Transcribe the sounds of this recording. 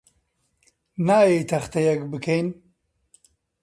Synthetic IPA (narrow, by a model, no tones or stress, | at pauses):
naːjejt̪ʰɐxt̪ʰɐjɐkbɨkʰejn